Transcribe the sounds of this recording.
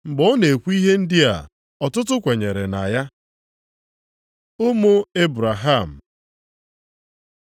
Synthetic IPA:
ŋ͡m̩˨ɡ͡bɔ˦ne˨kʷu˦i˦ɦe˦n̩˦dɪ˦a̰˨ | ɔ˨tʊ˦tʊ˦kʷe˨ɲe˨ɾe˨na̰˨ja˦ | ʊ˦mo˦e˦bɾa˨ɦa˦˨m̩˨

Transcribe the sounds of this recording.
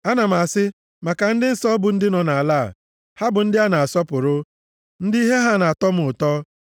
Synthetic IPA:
a˦na˨m̩˨a˨sɪ˦ | ma˨ka˨n̩˦dɪ˦n̩˦sɔ˦bʊ˨n̩˦dɪ˦nɔ˨na˨a˨la̰ː˦˨ | ha˦bʊ˨n̩˦dɪ˦a˦na˨a˨sɔ˦pʊ˨ɾʊ˦ | n̩˦dɪ˦i˦ɦe˦ɦa˦na˨a˨tɔ˦m̩˦ʊ˨tɔ˦

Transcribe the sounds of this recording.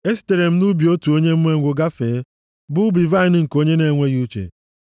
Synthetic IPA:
e˦ste˨ɾe˨m̩˨˦nu˦bi˨o˦tu˨o˦ɲe˦m̩˦m˦e˦˨ŋʷʊ˨ɡa˦feː˨˦ | bʊ˦bi˨va˦ɪ˨˦n˦ŋ̩˨ko˦ɲe˦ne˦˨ŋʷe˦ɣu˦t͡ʃḛ˨

